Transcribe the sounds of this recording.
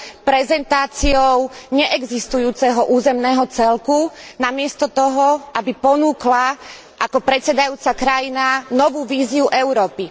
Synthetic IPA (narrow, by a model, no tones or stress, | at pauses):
pɾɛzɛnt̪aːt͡siɔʊɲɛʔɛɡzist̪ujuːt͡sɛɦɔʔuːzɛmnɛːɦɔt͡sɛlkunamɪɛst̪ɔt̪ɔɦɔʔabipɔnuːkla | ʔakɔpɾɛtt͡sɛd̪ajuːt͡sakɾajinanɔʋuːʋiːziuʔɛʊɾɔːpi